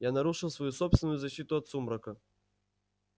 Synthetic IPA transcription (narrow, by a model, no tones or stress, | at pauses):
janaɾuʂɨwsvajusɔpsvʲɪnʊjuzaɕːit̪ʊɐt̪sumɾɐkɐ